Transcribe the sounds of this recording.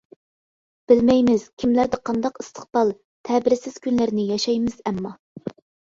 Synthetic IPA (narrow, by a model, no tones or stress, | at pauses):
b̥ɪlmɛjmɪz̥kʲʰimlæɾd̪ɛqʰɑnd̪ɑqist̪ʰə̥χ̚b̥ɑlˠ | t̪ʰɛbɪɾɪsɪz̥kʲʰynlɪɾnɪjɑʃɑjmɨz̥ɛmːɑ